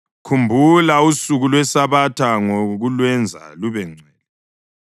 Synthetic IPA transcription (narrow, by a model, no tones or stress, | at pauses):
kʰumbʱulausuɣulwɛsaβatʰaŋoɣulwɛnd͡zʱa̰luβɛŋ͡ǀʱɛːlɛ